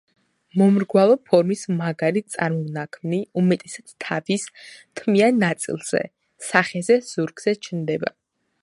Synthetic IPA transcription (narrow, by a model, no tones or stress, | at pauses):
mɔmɾɡwalˠɔpʰɔɾmismaɡalit̪sʼaɾmɔvnakʰmniumɛt̪ʼɛsat̪t̪ʰavist̪ʰmianːat̪sʼḭlˠz̥ɛ̰ | saχɛzɛz̥uɾɡz̥ɛt͡ʃʰnd̪ɛba̰